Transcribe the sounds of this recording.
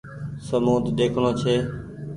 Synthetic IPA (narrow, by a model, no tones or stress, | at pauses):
səmuːd̪d̪eːkʰɽ̃õːt͡ʃʰeː